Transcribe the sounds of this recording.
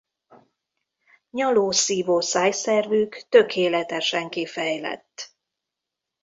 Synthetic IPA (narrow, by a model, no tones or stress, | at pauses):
ɲɒloːsiːvoːsaːjsɛrvykt̪ø̞kʰeːlɛt̪ɛʃɛŋkifɛjlɛ̰t̪ː